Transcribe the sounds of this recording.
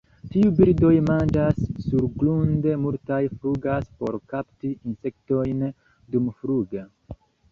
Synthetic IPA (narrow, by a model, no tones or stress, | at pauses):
tiubiɾdo̞jmand͡ʒasːuɾɡlunde̞multajfɾuɡaspo̞̰ɾkaptiinse̞k̚to̞jn | dumfɾuɡe